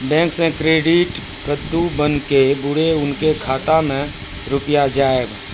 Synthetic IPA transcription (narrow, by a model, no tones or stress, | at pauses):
bɛ̃ːŋksẽkɾeːɖɪʈ | kət̪ːubənkebʊɽeʊnkekʰaːt̪amẽ | ɾʊpjad͡ʒaːeɡ